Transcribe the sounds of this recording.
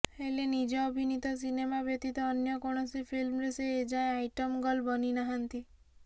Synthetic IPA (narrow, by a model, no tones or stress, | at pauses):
elenid͡ʒɔəbʱinit̪ɔs̬inemabet̪it̪ɔːnjəkɔɽ̃ɔsefʰilmɾeseːd͡ʒaẽaiʈəmɡɔlbəninaɦant̪i